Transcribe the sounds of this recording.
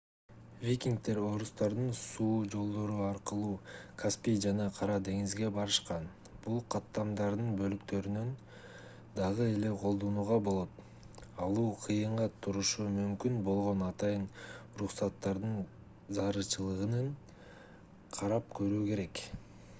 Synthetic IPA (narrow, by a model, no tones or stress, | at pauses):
vʲikʲiŋk̚t̪e̞ɾo̞ɾust̪ɑɾd̪ɯnsuːd͡ʒo̞lˠd̪o̞ɾuɑɾqɯlˠuːkʰaspʲijd͡ʒɑnɑqʰɑɾɑd̪e̞ŋizɡe̞bɑɾɯʃqɑn | b̥ulˠqʰɑt̪ːɑmd̪ɑɾd̪ɯnbø̞lykt̪ø̞ɾynøn | d̪ɑʁɯe̞le̞qʰo̞lˠd̪o̞nuːʁɑbo̞lˠo̞t̪ | ɑlˠuːqʰɯjɯɴʁɑt̪ʰuɾuʃumymkynbo̞lˠʁo̞nɑt̪ɑjɯnuɾuqsɑt̪ːɑɾd̪ɯn | zɑɾɯt͡ʃɯlˠɯʁɯnɯn | qʰɑɾɑp̚kʰø̞ɾyːke̞ɾe̞k